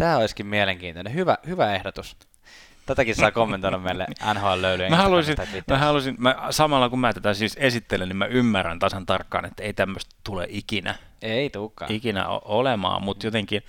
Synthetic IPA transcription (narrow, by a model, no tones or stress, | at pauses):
t̪æːoiskimmieleŋkiːnt̪onehyʋæhyʋæehdot̪us | t̪æt̪ækisɑˑikomːent̪oiɾɑmmeilːḛɑnhoɑlløylyjemæhɑlusinimːmæhɑlusinmæsɑmɑlːɑkummæt̪æt̪æsiːsesit̪ːelennimæymːæræ̰nt̪ɑsɑnt̪ɑrkːɑ̰ːnet̪ːæeit̪æmːøst̪t̪ulḛʔikinæ̰ | eit̪uːkːɑ̰ːikinæ̰o̰olemɑ̰ːmmut̪jot̪eŋkin